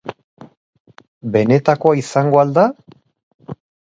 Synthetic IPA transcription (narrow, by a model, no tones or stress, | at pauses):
be̞ne̞t̪ako̞aisaŋɡo̞ald̪a